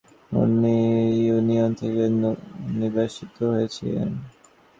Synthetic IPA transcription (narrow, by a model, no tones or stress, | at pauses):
ṵnijuniont̪ʰekenibaʃit̪oɦojet͡ɕʰilḛn